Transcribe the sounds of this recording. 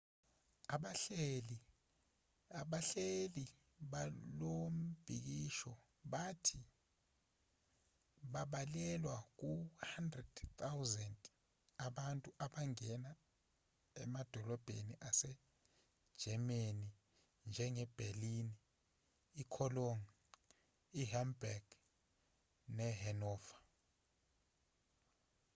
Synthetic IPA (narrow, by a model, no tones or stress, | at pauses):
aɓal | ɓaɬeli | ɓalom̩b̥ʱik̬iʃɔ | ɓatʰi | ɓaɓalɛlwak̬uhandrɛd̥t̪ʰawzɛntʼ | aɓantʼuʔaɓaŋɛna | ɛmad̥ʱɔlɔb̥ʱḛniʔasɛ̥ | ʒ̥ʱɛmeni | nd͡ʒʱɛŋɛb̥ʱeliniː | kʰɔlɔŋ | iɦambaɡ̥ | nɛɦɛnɔːvḁ